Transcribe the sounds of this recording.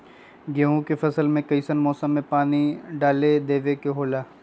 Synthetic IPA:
ɡeːɦũkefɐsəlmẽkɐisənmɔːsəmːẽpaːniɖaːled̪eːʋekeɦoːlaː

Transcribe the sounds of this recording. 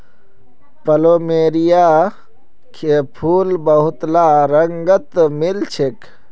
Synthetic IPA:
pəloːmeːɾija | kʰepʰuːlbəɦʊt̪laɾəŋɡət̪milt͡ʃʰek

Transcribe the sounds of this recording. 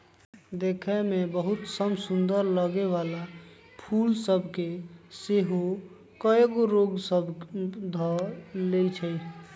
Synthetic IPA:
d̪eːkʰɛmebəɦʊt̪səmsʊnd̪əɾləɡeʋala | pʰuːlsəbʱkeseɦo | kəeɡoɾoːɡsəbd̪ʱɔlet͡ʃʰɛ

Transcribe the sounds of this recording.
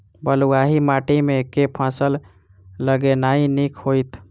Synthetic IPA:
bəluaɦimaʈimekepʰãsəlː | əɡenainikʰɦojt̪

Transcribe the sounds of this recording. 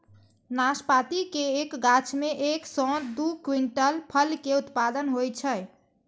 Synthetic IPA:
naspat̪ikeːkɡat͡ʃʰmeʔeksɔ̃d̪ukwiɳʈəlpʰəlkeut̪pad̪ənɦojt͡ʃʰəj

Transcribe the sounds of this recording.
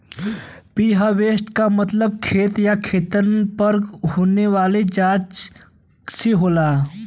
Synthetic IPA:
piːɦaʋeːsʈkamət̪ləb̚kʰeːt̪jakʰeːt̪ənpəɾɡɦoːneʋaːled͡ʒaːt͡ʃ | seɦoːlaː

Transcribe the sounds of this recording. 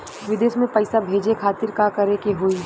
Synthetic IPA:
ʋɪd̪eːʃmẽpɐɪsabʱeːd͡ʒekʰaːt̪ɪɾkakɐɾekeɦoi

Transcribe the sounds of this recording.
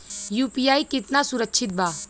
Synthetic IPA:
juːpijaːikɪt̪nasʊɾəkːʃʰɪt̪̚baː

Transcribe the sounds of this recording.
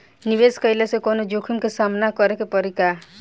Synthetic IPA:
niβeskɔjlasekɔnɔd͡ʒokʰimkesamnakɔɾekepɔɾika

